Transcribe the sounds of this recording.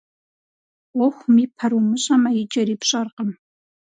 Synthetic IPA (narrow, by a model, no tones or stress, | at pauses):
wɔxʷʊmiːpʰɐɾumɨɕʼɐmɐjɪd͡ʒɐɾiːpɕʼɐrqəm